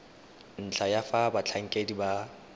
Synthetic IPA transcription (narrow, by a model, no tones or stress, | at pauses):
n̩t͡ɬʰajafabat͡ɬʰaŋ̩kʼediba